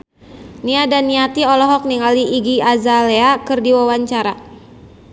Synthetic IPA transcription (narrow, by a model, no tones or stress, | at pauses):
niadaniat̪iɔlɔɦɔk̚niŋaliːɡiazaleakɨrdiwawaɲt͡ʃaɾa